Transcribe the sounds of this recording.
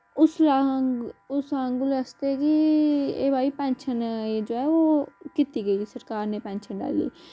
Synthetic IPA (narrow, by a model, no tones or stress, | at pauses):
ʊsa | ʊsaəŋɡʊlast̪eɛkiḛːbaːipɛ̃ːnʃʰənd͡ʒoːɛːoːkɪt̪iɡəiːsəɾkaːɾneːpɛ̃ːnʃənɖa̰ːlḭː